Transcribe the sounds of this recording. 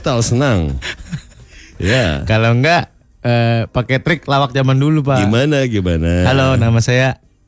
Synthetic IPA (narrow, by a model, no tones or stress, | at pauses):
t̪aosənaŋ | jakaloŋɡaʔ | əpakɛt̪ɾɪklawak̚d͡ʒamandulupaɡimanaɡimanahalonamasaja